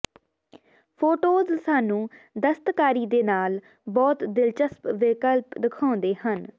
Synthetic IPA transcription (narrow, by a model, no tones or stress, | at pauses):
pʰoːʈoːzsaːnũːd̪əst̪kaːɾiːd̪eːnaːl | bɔːt̪d̪ɪlt͡ʃəspʋɪkəlpd̪ɪkʰãːnd̪eːhən